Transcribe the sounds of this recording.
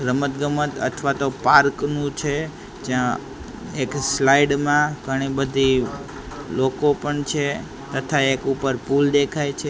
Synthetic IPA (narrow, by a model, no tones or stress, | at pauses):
ɡɾəmət̪ɡəmət̪ə̰t̪ʰʋat̪opaɾknũt͡ʃʰe | d͡ʒjã | ekslaiɖmãɡʱəɽ̃ibəd̪ʱi | lokopəɳt͡ʃʰe | t̪ət̪ʰaekupəɾpuld̪ekʰajt͡ʃʰe